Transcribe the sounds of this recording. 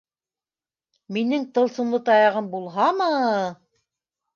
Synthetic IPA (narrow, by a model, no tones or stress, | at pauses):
minɘŋt̪ɤ̆lˠsɤ̆mlˠɤt̪ɑjɑʁɤmbulˠɦɑmɤ